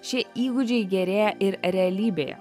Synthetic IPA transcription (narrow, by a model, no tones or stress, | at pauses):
ʃʲɪiːɡʊd͡ʒʲɛɪɡʲɛɾʲeːjɛʔɪɾɾʲɛɐlʲiːbʲeːjɛ̰